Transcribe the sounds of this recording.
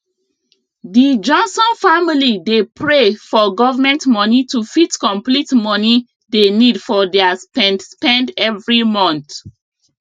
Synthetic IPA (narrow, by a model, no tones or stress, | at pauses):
did͡ʒɔ̃nsɔ̃nfamilidepʰɹefɔɡɔvamɛ̃ntmɔnitufitkɔ̃mplitmɔni | denidfɔdɛaspɛ̃ndspɛ̃ndɛvɹimɔ̃nθ